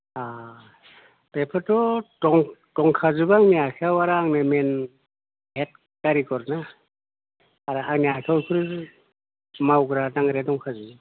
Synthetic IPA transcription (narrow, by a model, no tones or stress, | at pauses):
a | pepʰɯtɔtɔŋtɔŋkʰazubaːŋnijakʰeawaɾaːŋnɯmen | ɦet̚ | kaɾikɔɾna | aɾaaŋniakʰawkʰuɾ | mawɡɾadaŋɾedɔŋkʰazu